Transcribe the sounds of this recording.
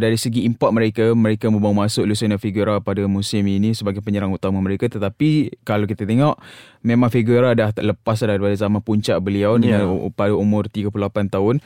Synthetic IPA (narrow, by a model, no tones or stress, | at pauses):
daɾisəɡiːmpɔt̪̚məɾekaməɾekamə̃mbaumasʊʔlusənafiɡuɾapadamũsɪminĩsəbaɡajpəɲəɾaŋut̪amaməɾekat̪ət̪apikalawkit̪at̪eŋɔʔ | memãŋfiɡuɾadahləpas̬daɾipadazamanpuɲt͡ʃaʔbəliawdəŋãnpadaumʊrt̪iɡəpulolapant̪aʊn